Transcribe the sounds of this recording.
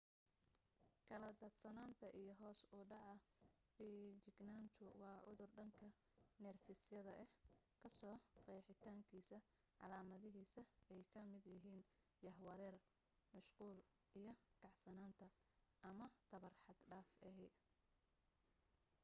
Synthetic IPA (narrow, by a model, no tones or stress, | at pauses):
kʰɐlɐd̪ɐd̪sɐnaːnt̪ʰɐʔijɞɦɔːsʊɖɐʕɐ | biːt͡ʃɪɡnaːnt̪ʰʊwɑːʕʊðʊrɖɐŋkʰɐ | nɛrfɪsjɐðɐʔɛhkʰɐsɔːrɛːħɪt̪ʰaːŋkʰiːsɐ | ʕɑ̰laːmɐðɪɦiːsɐɛjkʰɐmɪd̪jɪɦiːn | jɐhwɐɾɛːr | mʊʃquːl | ijɞkʰɑʕsɐnaːnt̪ʰɐ | ʔɐmɐt̪ʰɐβɐrħɑd̪ɖaːfɛɦɛj